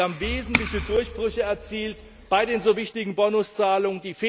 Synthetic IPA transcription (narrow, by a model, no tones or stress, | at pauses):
amveːzn̩tlɪçədʊɐçb̥ʁʏçəɛɐt͡siːlt | b̥aɪdeːnzoːvɪçtɪɡŋ̩bɔnʊst͡saːlʊŋəndiːfeː